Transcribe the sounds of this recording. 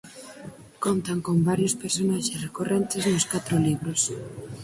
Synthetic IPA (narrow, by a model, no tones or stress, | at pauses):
kont̪aŋkombaɾjospeɾsonaʃesrekorent̪ɪznʊskat̪ɾʊliβɾos